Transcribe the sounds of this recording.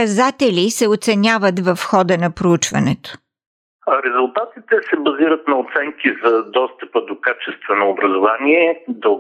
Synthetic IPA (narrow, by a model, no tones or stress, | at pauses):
ɐzat̪ɛlʲisɛot̪sɛnʲavət̪vɐfxɔd̪ənɐpɾout͡ʃvɐ̰nɛt̪o̥ | ɾɛzʊlˠt̪at̪it̪ɛsɛbɐziɾət̪nɐot̪sɛŋkizɐd̪ɔst̪əpəd̪okat͡ʃɛst̪vɛnoːbɾɐzovaniɛd̪o